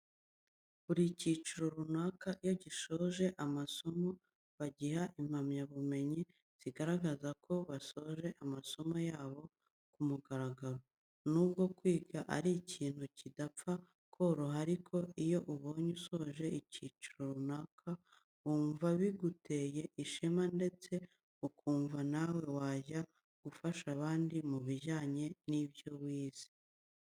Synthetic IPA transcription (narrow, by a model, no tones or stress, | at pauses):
βuɾiciːt͡ʃuɾoɾunakaʔijoɟiʃo̞ʒe̞ʔamaso̞mo | βaɟihaʔim̥hamɲaβume̞ɲi | z̥iɡaɾaɡazakʰo̞βaso̞ʒe̞ʔamaso̞mojaːβo̞ | kumuɡaɾaɡaɾo | nub̚ɡo̞kwiːɡaʔaɾiciːn̥hucidapp͡fa | kʰo̞ɾoɦaɾikʰo̞ʔijo̞ʔuβo̞ːɲuso̞ʒe̞iciːt͡ʃuɾoɾunakʰa | uːɱvaβiɡute̞ːje̞ʔiʃimande̞t͡se̞ | ukuːɱvanawe̞waːʒa | ɡ̥ufaʃaβaːndimuβiʒaːɲe̞nibjo̞wiːz̥i̥